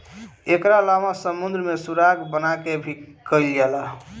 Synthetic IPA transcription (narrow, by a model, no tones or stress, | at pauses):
ekɾalamasəmund̪ɾmesuɾaɡbənakebʱikəilɡɛlaɦ